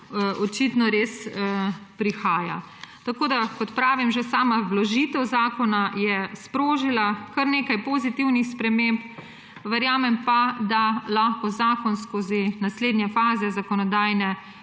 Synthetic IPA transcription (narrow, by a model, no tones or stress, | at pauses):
ɔt͡ʃit̪nɔɾeːs | pɾixaːja | t̪akoːd̪akɔt̪pɾaːʋimʒɛsaːmaʋlɔʒit̪ɛwzaːkɔnajɛspɾoːʒilakɐɾneːkajpozit̪iwnixspɾɛmemp | ʋɛɾjaːmɛmpad̪alaxkɔzaːkɔnskoːzinasleːd̪njɛfaːzɛzakɔnɔd̪aːjnɛ